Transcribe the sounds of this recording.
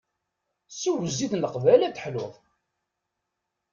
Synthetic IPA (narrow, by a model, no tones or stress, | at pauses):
suwəzːiðnəqvælæt̪ːə̥ħloðˤ